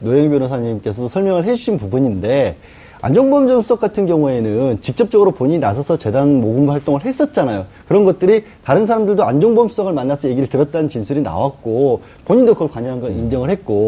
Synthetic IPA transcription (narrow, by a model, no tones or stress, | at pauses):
noɦeŋbjʌnosʰaɲimk͈e̞sʰʌdosʰʌɭmjʌŋɯɭɦe̞d͡ʑuɕʰinpubuɲinde̞ | a̰nd͡ʑoŋbʌmd͡ʑʌnsʰu̥s͈ʰʌk͈atʰɯnɡjʌŋue̞nɯnt͡ɕik̚t͡ɕ͈ʌp̚t͡ɕ͈ʌɡɯɾopoɲiɲinasʰʌsʰʌt͡ɕe̞danmoɡɯmuɸwaɭt͈oŋɯɭɦe̞s͈ʌt̚t͡ɕ͈anajokɯɾʌnɡʌt̚t͈ɯɾi | taɾɯnsʰaɾamdɯɭdoand͡ʑoŋbʌmsʰu̥sʰʌɡɯɭmanːasʰʌje̞ɡiɾɯɭtɯɾʌt̚t͈anɯnt͡ɕinsʰuɾina̰wak̚k͈o | poɲindokɯʌɭkwaɲʌnɦanɡʌnind͡ʑʌŋɯɭhe̞t̚k͈o